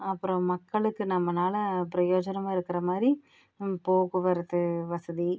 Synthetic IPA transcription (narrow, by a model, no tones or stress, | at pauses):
ɐpːɯɾõmɐkːɐɭɯkːɯnɐmːɐnaːlɐpɪɾɐjoːd͡ʒɐnɐmaːɪɾɯkːɪɾɐmaːd̪ɾi | poːɣɯʋɐɾɐðɯʋɐsɐði